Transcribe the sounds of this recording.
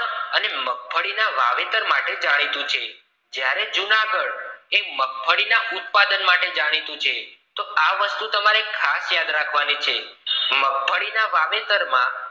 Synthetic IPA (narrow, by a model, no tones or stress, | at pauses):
ənemək̚bʱəɽinaʋa̰ʋet̪əɾmaʈed͡ʒaɽ̃it̪ũt͡ʃʰe | d͡ʒjaɾed͡ʒunaɡəɭeməɡ̚bʱʰəɽinaʔut̪̚pad̪ənmaʈed͡ʒaɽ̃it̪ũt͡ʃʰet̪oaʋəst̪ut̪əmaɾekʰasjad̪ɾakʰʋanit͡ʃʰeməɡ̚bʱəɽinaʋaʋet̪əɾmã̰